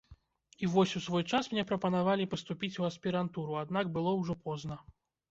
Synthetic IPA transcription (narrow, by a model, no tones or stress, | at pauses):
ivɔsʲusvɔjt͡ʂasmnʲɛpɾɐpɐnavalʲipɐst̪upʲit͡sʲuɐsʲpʲiɾant̪uɾuad̪nakbɨlˠɔwʐɔpɔznɐ